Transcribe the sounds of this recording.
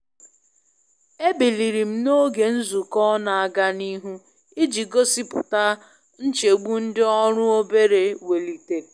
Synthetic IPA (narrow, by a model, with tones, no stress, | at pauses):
e˦bi˨li˨ɾi˨m̩˦no˦ɡe˨n̩˦zu˨kɔ˦na˨a˨ɡa˦ni˦ɦu˦ | i˦d͡ʒi˨ɡo˦si˦pʊ˨ta˦ | n̩˦t͡ʃe˨ɡ͡bu˦n̩˦dɪ˦ɔ˦ɾʊ˦o˦be˦ɾe˨we˨li˨te˨